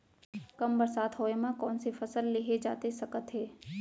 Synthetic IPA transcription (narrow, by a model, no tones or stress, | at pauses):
kɐmbɐɾsaːt̪ʰɦoːemãkɔːnsefʰɐsəlːeɦed͡ʒa̰ːt̪esɐkət̪ɦɛː